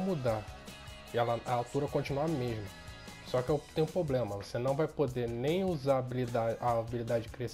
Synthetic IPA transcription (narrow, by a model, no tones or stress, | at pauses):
mud̪a | ɛlɐɐawt̪uɾɐkõt͡ʃinuɐmeʒmɐsɔkɪɛʊt̪ẽj̃ũpɾoblẽmɐvosenɐ̃w̃vajpod̪enẽj̃uzabilid̪aaːbilid̪ad͡ʒɪd͡ʒɪkɾes